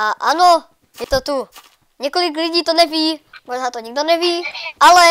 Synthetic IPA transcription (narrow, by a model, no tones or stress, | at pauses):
aʔano | jɛt̪ot̪u | ɲɛko̞lɪk̬lɪɟiːt̪onɛviːmoʒnaːt̪oɲiɡ̚donɛviːʔalɛ